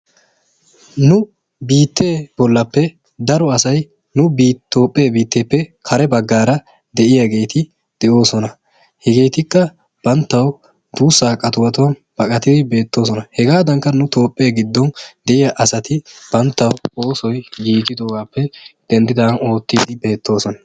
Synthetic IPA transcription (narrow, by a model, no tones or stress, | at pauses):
nʊ | biːt̪ːe̞ːbɔlːɐpːɛ | d̪ɐɾɔɐsɐj | nʊbiːt̪ːo̞ːpʼːe̞ːbiːt̪ːe̞ːpːɛkʰɐɾɛbɐɡːaːɾɐ | d̪ɛʔɪjɐɡe̞ːt̪ɪ | d̪̥ɛʔo̞ːsɔnɐ | hɛɡe̞ːt̪ɪkːɐ | b̥ɐnt̪ːɐw | d̪̥uːsːaːkʼːɐt̪ʊwɐt̪ʊwɐn | b̥ɐkʼɐt̪ɪd̪ɪbe̞ːt̪ːo̞ːs̬ɔnɐhɛɡaːd̪ɐŋkːɐnʊt̪o̞ːpʼːe̞ːɡɪd̪ːɔnd̪ɛʔɪjɐʔɐsɐt̪ɪb̥ɐnt̪ːɐwoːsɔjjiːt̪ɪd̪o̞ːɡaːpːɛd̪̥ɛnd̪ɪd̪ɐno̞ːt̪ːiːd̪ɪbe̞ːt̪ːo̞ːsɔnɐ